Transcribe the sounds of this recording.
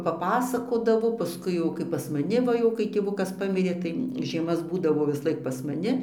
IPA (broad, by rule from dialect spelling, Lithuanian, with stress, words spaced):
pɐˈpɑːsɐkoːdɐʋoː pɐˈskʊɪ jɛʊ ˈkɐɪp pɐs mɐˈnʲɪ ˈʋɐ jɛʊ kɐɪ tʲeːˈʋʊkɐs ˈpɑːmʲɪrʲeː tɐɪ ʒʲiɛˈmɐs ˈbuːdɐʋoː ʋʲɪsˈlˠɐɪk pɐs mɐˈnʲɪ